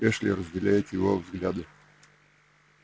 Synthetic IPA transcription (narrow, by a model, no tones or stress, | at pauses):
ɛʂlʲɪɾəzʲd̪ʲɛlʲajɛt̪ʲjɪvɔvzɡlʲad̪ə